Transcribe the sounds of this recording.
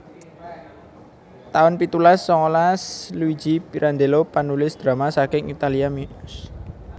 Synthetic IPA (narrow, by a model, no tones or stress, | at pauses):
t̪aʊnpit̪ulasːɔŋolaslui̥d͡ʒipiɾʔand̪elopanulɪsd̪̥ɾa̤masakɪŋit̪aliaminʊs